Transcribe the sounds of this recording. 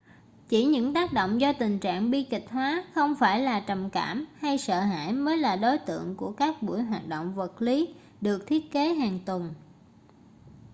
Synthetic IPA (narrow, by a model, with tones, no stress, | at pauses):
t͡ɕi˧˩ɲɨ̰˧˥ŋt̪aː˦˥k̚ɗo̰˧˨wŋ͡mzɔ˧t̪ï˨˩ŋ̟t͡ɕa̰ː˧˨ŋɓi˧kï˨˩k̟̚hwaː˨˦xə˧wŋ͡mfaː˧˩jlaː˨˩t͡ɕə˨˩mkaː˧˩mha˧jsə̰ː˧˨ɦa̰ː˧˨jməː˨˦jlaː˨˩ɗo˨˦jt̪ɨ̰˧˨əŋku˧˩əkaː˦˥k̚ɓṵ˧˩əjɦwaː˨˩t̚ɗo̰˧˨wŋ͡mvə˨˩t̚li˨˦ | ɗɨ˨˩ək̚t̪ʰi˦˥ət̚ke˨˦ɦaː˨˩ŋt̪wə˨˩n